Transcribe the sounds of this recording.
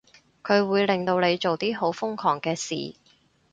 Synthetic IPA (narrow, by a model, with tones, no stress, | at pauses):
kʰɵ˨˧ɥwuː˨˧jlɪ˨ŋt̪o˧wle˨˧jt͡ʃo˨wt̪iː˥ɦo˨˥wfʊ˥ŋkʰɔː˨˩ŋkɛː˧sḭː˨˩